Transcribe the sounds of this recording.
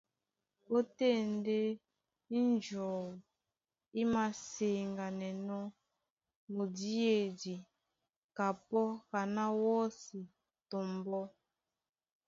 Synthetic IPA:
o˦te˦˨nde˦ | i˦nd͡ʒɔː˨w | i˦ma˨se˨ŋɡa˨nɛ˨nɔ˦ | mo˨di˦e˨di˨ | ka˨pɔ˦ɣa˨na˦wɔ˦si˨ | to˨mbɔ˦

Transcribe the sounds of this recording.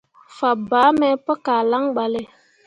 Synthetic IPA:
fa˨baː˨˦mɛ˦pə˦kaː˨la˦ŋɓa˨le˦

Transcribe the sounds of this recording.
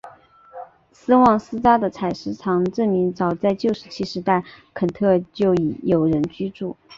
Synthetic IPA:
sɹ̩˥wɑ˥˩ŋsɹ̩˥t͡sa˥d̪ə˨t͡sʰa˨˩ɪʂɻ̩˧˥t͡sʰɑ˧˥ŋʈ͡ʂə˥˩nmi˧˥ŋt͡sɑ˨˩ʊt͡sa˥˧ɪt͡ɕjo˥˩ʊʂɻ̩˧˥t͡ɕʰi˥ʂɻ̩˧˥t̪a˥˩ɪkʰə˨˩nt̪ʰɤ˥˧t͡ɕjo˥˩ʊi˨˩jo˨˩ʊɻə˧˥nt͡ɕy˥ʈ͡ʂu˥˩

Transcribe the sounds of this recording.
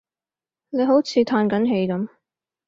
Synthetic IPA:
ne˨˧jɦo˨˥wt͡sʰiː˧t̪ʰaː˧nkɐ˨˥nɦe˧jkɐ˨˦m

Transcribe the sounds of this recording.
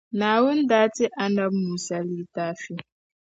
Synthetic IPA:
na˨wʊ˦n̩˦daː˦ti˦ʔa˦na˦bmu˨sa˦li˦ta˦fi˦

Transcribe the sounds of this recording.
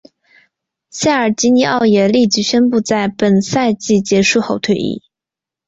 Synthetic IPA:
ɕja˥˩ə˞˨˩t͡ɕi˧˥ni˧˥ʔɑ˥˩ʊjɛ˨˩li˥˩t͡ɕi˧˥ɕɥɛ˥npu˥˧t͡sa˥˩ɪpə˨˩nsa˥˧ɪt͡ɕi˥˩t͡ɕjɛ˧˥ʂu˥˩xo˨˧˩ʊt̪ʰwe˥˧ɪʔḭ˥˩

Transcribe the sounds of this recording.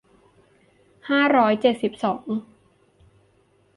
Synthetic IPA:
haː˥˩ɾɔː˦˥jt͡ɕe˨˩t̪̚si˨˩p̚sɔː˩˦ŋ

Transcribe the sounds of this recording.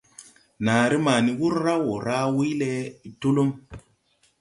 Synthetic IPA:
naː˨ɾi˦ma˨ni˨wu˦ɾɾa˦wo˨ɾa˦wi˦jle˦˨to˦lo˦m

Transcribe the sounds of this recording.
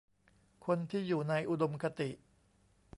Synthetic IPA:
kʰo˧nt̪ʰiː˥˩juː˨˩na˧jʔu˨˩do˧mkʰa˧t̪i˨˩ʔ

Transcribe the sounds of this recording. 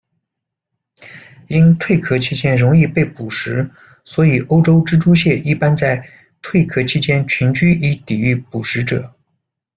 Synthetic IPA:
i˥nt̪ʰwe˥˩ɪkʰɤ˥t͡ɕʰi˥t͡ɕjɛ˥nɻʊ˧˥ŋi˥˧pe˥˩ɪpu˨˩ʂɻ̩˧˥ | swɔ˧˥i˨˩ʔo˥ʊʈ͡ʂo˥ʊʈ͡ʂɻ̩˥ʈ͡ʂu˥ɕjɛ˥˩ʔi˥˩pa˥nt͡sa˥˧ɪ | t̪ʰwe˥˩ɪkʰɤ˥t͡ɕʰi˥t͡ɕjɛ˥nt͡ɕʰy˧˥nt͡ɕy˥i˧˥t̪i˨˩y˥˩pu˨˩ʂɻ̩˧˥ʈ͡ʂɤ˨˩˦

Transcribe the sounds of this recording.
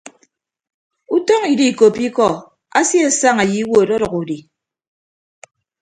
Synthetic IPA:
u˦tɔ˦ŋi˨di˦˨ko˨pi˦kɔ˨ | a̰˦si˦a˦˨sa˦ŋa˨ji˨˦wo˦˨dɔ˦ɾʌ˨ku˨di˨

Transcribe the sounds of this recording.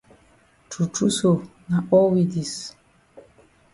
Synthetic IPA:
tʰu˨tu˦so˨na˨ʔɔ˦wi˨di˨s

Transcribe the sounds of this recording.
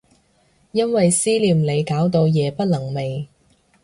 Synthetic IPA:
jɐ˥nwɐ˨jsiː˥liː˨mle˨˧jkaː˨˥wt̪o˧wjɛː˨˧pɐ˥t̚lɐ˨˩ŋme˨j

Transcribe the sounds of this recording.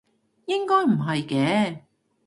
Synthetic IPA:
jɪ˥ŋkɔː˥jm̩˨˩ɦɐ˨jkɛː˨˥

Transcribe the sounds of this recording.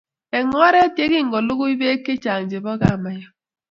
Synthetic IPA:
e˨ŋ˦ɾe˦te˦ɡɪ˦ŋ̩˨ɡo˨lʊ˦ɣʊ˦i˦be˦e˦ke˦t͡ʃa˨ŋ̩˨d͡ʒe˨bɔ˦ɡa˦˨ma˨ja˦

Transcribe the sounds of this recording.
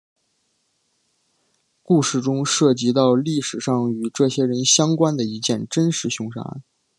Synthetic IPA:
ku˥˧ʂɻ̩˥˩ʈ͡ʂʊ˥ŋʂɤ˥˩t͡ɕi˧˥t̪̬ɑ˥˧ʊli˥˩ʂɻ̩˨˩ʂɑ˥˩ŋy˨˩ʈ͡ʂɤ˥˩ɕjɛ˥ɻə˧˥nɕjɑ˥ŋkwa˥nd̪ə˨˩i˧˥t͡ɕjɛ˥˩nʈ͡ʂə˥nʂɻ̩˧˥ɕʊ˧˥ŋʂa̰˧˥

